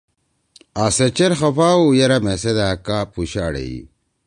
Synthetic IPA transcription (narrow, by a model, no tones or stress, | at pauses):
aset͡ɕeɾxɐfaːujeɾɐmesed̪aːkapuɕaːɽḛḭ